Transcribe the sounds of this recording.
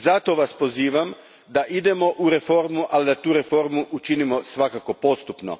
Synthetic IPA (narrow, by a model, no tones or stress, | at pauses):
zat̪oʋaspo̞ziːʋam | d̪aʔid̪e̞mo̞ʔuɾe̞fo̞ɾmuʔalid̪at̪uːɾe̞fo̞ɾmuʔut͡ʃinimo̞sʋakako̞po̞st̪upno̰